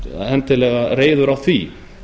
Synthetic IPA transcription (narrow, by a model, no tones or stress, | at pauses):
hɛmt̪ɪlɛɣaɾeːjðʏɾawθvi